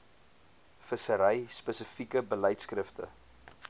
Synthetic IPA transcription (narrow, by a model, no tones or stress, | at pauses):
fəsəɾəjspəsəfikəbələjtskrəftə̰